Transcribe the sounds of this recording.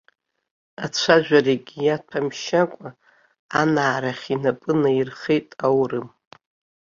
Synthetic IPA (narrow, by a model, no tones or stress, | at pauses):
at͡ɕʷʰaʒᶣʷareɡʲjatʰamʃakʷʼaː | naːɾaχʲinapʼɨnairχejtʼawrɨm